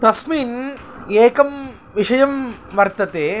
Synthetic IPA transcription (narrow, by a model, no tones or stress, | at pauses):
t̪ɐsmiːneːkɐm | ʋiʂɐjɐmʋɐɾt̪ɐt̪eː